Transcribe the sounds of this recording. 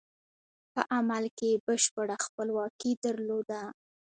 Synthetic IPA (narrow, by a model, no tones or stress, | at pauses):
pəʔamalkebəʃpəɽaxpəlwɑkid̪əɾlod̪a